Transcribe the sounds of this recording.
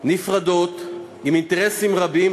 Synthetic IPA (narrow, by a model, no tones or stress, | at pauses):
nifʁad̪o̞t̪ | imint̪eʁesimʁabim